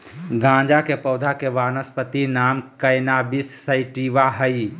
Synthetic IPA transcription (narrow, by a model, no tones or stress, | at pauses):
ɡʱãːd͡ʒakepəːd̪ʱakeʋaːnəspət̪inaːmkəjnaːbisːəɪʈiːʋaɦəi